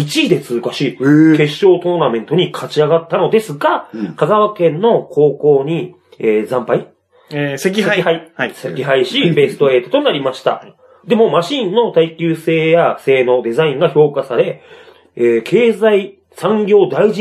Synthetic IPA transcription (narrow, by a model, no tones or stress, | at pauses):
it͡ɕiːd̪e̞t͡sɨkaɕike̞ɕːo̞ːt̪o̞ːnamẽ̞nt̪o̞ɲ̟ikʰat͡ɕiaɡat̪ːano̞d̪e̞sɨɡakaɡaβakẽ̞nːo̞kʰo̞ːko̞ːɲ̟i | eːzãmpai | sekʲeihaisekʲiɦaiɕibe̞sɨ̥t̪o̞e̞ːt̪ot̪o̞naɾʲimaɕi̥t̪a̰ | d̪e̞mo̞maɕĩnːo̞t̪aikʲɨːse̞ːjase̞ːno̞d̪e̞zaĩŋɡaço̞ːkasaɾe̞ | eːkʰe̞ːzai | sãŋɡʲo̞ːd̪aiʑi